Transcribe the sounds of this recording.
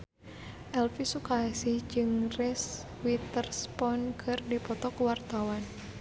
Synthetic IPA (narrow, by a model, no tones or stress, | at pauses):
ʔɛlfisukasid͡ʒɨŋrɛs | wit̪ərspɔnkʰɨrdipɔt̪ɔkuwart̪awan